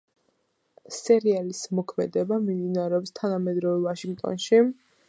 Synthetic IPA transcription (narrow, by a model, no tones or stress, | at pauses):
sɛɾialismɔkʰmɛd̪ɛbamimd̪inaɾɛɔpst̪ʰanamɛd̪ɾɔvɛvaʃiŋɡt̪ʼɔ̰nʃi